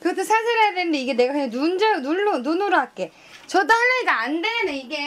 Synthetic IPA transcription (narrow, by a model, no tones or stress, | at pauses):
kɯɡʌtʰʌsʰasʰiɾejadenɯndeiɡe̞ne̞ɡakɯɲaŋnund͡ʑenuɭːonunuɾoɦak͈e̞ | t͡ɕʌdahaɭːʌidaandeneiɡe